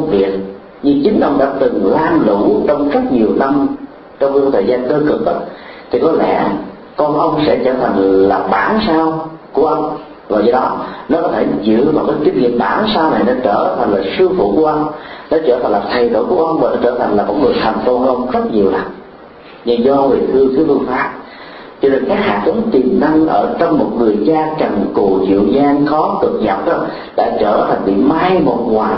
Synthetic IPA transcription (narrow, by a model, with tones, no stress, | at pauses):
ŋ͡mvi˨˩ək̚ | ɲɨ˧t͡ɕï˨˦ŋ̟ʔə˧wŋ͡mɗa̰ː˧˥t̪ɨ˨˩ŋlaː˧mlu˧˥t͡ɕɔ˧wŋ͡mzə˦˥t̚ɲi˨˩əwna˧m | t͡ɕɔ˧wŋ͡mt̪ʰəː˨˩jzaː˧nkəː˧kɨ˨˩k̚kə˨˦˩t̚t̪ʰi˨˩kɔ˨˦lɛ̰˧˥˩ | kɔ˧nʔə˧wŋ͡msɛ̰˧˥t͡ɕəː˧˩t̪ʰa˨˩jŋ̟laː˨˩ɓaː˧˦nsaː˧wku˧˩əʔə˧wŋ͡m | vaː˨˩zə˧ɗɔ˨˦˥nɔ˨˦˥kɔ˨˦˥t̪ʰe˧˩zɨ̰˧˥vaː˨˩wkaː˨˦t͡ɕi˨˦nŋḭ˧˨əmɓaː˧˩˦nsaː˧wna˨˩jna˧˦t͡ɕəː˧˩t̪ʰa˨˩ŋ̟laː˨˩sɨ˧əfṵ˧˥ku˧˩əʔə˧wŋ͡mnɔ˨˦t͡ɕəː˧˩t̪ʰa˨˩ŋ̟laː˨˩t̪ʰa˨˩jɗo̰˧˩jku˧˩əʔə˧wŋ͡mvaː˨˩nɔ˨˦t͡ɕəː˧˩t̪ʰa˨˩jŋlaː˨˩vɔ̰˧˥n̚lɨ˨˩t̪ʰa˨˩ŋ̟fo˧ʔə˧wŋ͡mzə˦˥t̚ɲi˨˩əwla̰ː˧˩ | ɲɨ˧zɔ˧wi˨˩t̪ʰɨ˧ət̪ʰɨ˨˦t̪ɨ˧faː˦˥p̚ | t͡ɕɔ˧ne˧˩nkaː˦˥k̚ha̰ː˧˨t͡ɕə˨˦ŋ͡mt̪i˨˩mna˧ŋʔəː˧˩t͡ɕɔ˧wŋ͡mmo˨˩t̚ŋɨ˨˩əjt͡ɕaː˧ka˨˩nkṵ˧˨˩zɨ̰˧˨zaː˧nxɔ˨˦kɨ˨˩k̚ɲa˨˩k͡p̚ʔə˧˩ | ɗa̰ː˧˥t͡ɕəː˧˩t̪ʰa˨˩jŋ̟vḭ˧˨maː˧jmo˨˩t̚ŋwaː˨˩